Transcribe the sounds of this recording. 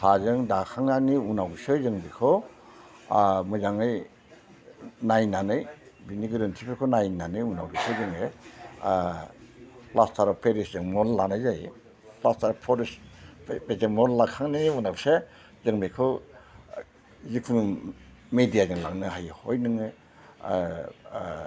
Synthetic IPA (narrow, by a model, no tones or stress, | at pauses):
hazɯŋdakʰaŋnaniunawɡsɯzɯŋbikʰɯ | mɯzaŋɯj | najnanɯjbiniɡɯɾɯntʰipʰekʰɔnajnanɯjunawɡisɯzɯŋɯ | plastʰaɾɔpʰeɾiszɯŋmɔnlanajzaj | plastʰaɾɔpʰɔɾispezeŋmɔnlakʰaŋniunawse | zɯŋbikʰɔ | zikʰuŋ | medijazɯŋla̰ŋnɯɦajhojnɯŋɯ